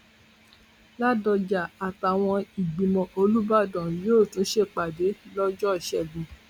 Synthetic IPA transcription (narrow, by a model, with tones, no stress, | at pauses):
la˦dɔ˧d͡ʒa˨a˨ta˨w̃ɔ̃˧i˨ɡ͡bĩ˨mɔ̃˨ʔo˧lu˦ba˦˨dɔ̃˨joː˦˨tũ˨˦ʃe˦˨k͡pa˨de˨˦lɔ˦d͡ʒɔ˦˨ʃɛ˨ɡũ˨